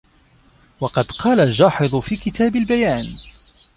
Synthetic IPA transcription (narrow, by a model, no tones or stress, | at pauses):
wɑqɑd̪qɑːlald͡ʒɑːħɨðˤʊfiːkɪt̪ʰaːbɪlbajaːn